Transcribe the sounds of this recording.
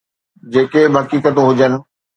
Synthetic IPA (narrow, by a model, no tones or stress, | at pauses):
d͡ʑeːkebɦɐkiːkət̪ɦʊd͡ʑənɪ̆